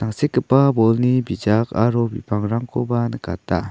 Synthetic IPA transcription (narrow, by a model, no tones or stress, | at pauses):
t̪aŋsekːəpːabolnibid͡ʒakaɾobḭpaŋɾaŋkʰobanəkat̪a̰